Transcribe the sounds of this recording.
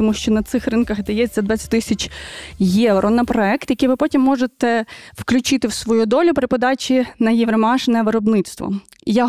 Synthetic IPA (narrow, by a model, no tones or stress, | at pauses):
t̪ɔmuʃt͡ʃɔnɐt̪sɪxrɨnkɐxd̪ɐjɛt͡s̪ʲɐd̪ʋɑtʲt͡sʲːɐ̥t̚ʲt̪ɪsʲɐt͡ʃʲjɛʋɾɔnɐpɾɔɛkt̪jɐkijʋɪpɔtʲimːɔʒet̪ɛwklʲʊt͡ʃɪt̪ɪwsʋɔjud̪ɔlʲʊpɾɪpɔd̪ɑt͡ʃʲinɐjɛʋɾɐmɑʃɪnɐʋɪɾɔbnɪt̪st̪ʋɔ̰ | ja